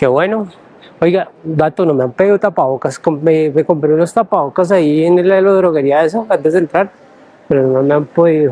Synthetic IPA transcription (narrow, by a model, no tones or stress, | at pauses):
keβweno | ojɡad̪at̪onomeampeðiut̪apaokaskoemekompɾiulost̪apaokas̬aieneleloðɾoɣeɾiaes̬oant̪ezd̪ent̪ɾaɾ | peɾononomeampoðiu